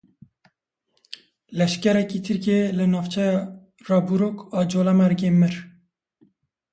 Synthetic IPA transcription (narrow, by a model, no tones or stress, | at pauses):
lɛʃkɛɾɛkiːt̪ʰɨɾkeːlɨnɑːft͡ʃʰɛjɑ | rɑːbuɾoːkɑːd͡ʒoːlɛmɛɾɡeːmɨɾ